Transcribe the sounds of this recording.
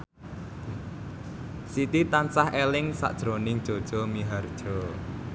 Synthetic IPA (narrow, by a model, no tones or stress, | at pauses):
sit̪it̪ansahelɪŋsa̰ʔd̥ʒ̥ɾonɪŋd̥ʒ̥o̤d̥ʒ̥ɔmiɦard̥ʒ̥ɔ